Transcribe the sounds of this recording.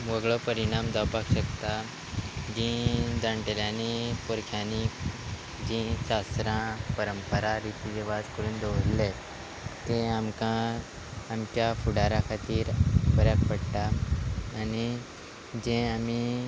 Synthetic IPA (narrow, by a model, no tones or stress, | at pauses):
ʋəɡɭəpəɾiɽ̃amd̪əwpakɕəkt̪a | d͡ʑĩd͡z̪aɳʈeljanipoɾkʰjanik | d͡ʑĩɕast̪ɾãpəɾəmpəɾaɾit̪id͡ʑeʋat̪kəɾũːnd̪əʋɾle | t̪ẽamkãː | mt͡ɕjafuɽaɾãkʰat̪iːɾpəɾjakpəɽt̪aː | ni | d͡ʑẽami